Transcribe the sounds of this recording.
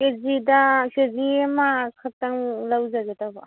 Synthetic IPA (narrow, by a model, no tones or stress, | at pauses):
kezidakeziamakʰataŋlawzaɡetaba